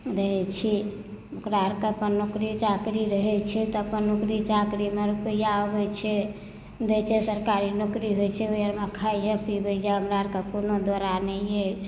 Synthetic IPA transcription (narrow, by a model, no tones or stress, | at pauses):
ɾəɦɛt͡ʃʰiukɾaɾkeəpənːokɾit͡ʃakɾiɾəɦɛt͡ʃʰɛt̪ɔəpənːukɾit͡ʃakɾimeɾupəjaobɛt͡ʃʰɛ | d̪ɛt͡ʃʰɛsəɾkaɾinokɾiɦojt͡ʃʰɛojəɾmekʰajjəpibɛjd͡ʒaəmɾaɾkekonod̪oɾanɛjet͡ʃ